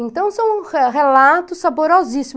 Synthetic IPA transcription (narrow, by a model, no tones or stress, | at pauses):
ẽnt̪ɐ̃w̃sɐ̃w̃ɦelat̪ʊsaboɾɔzisim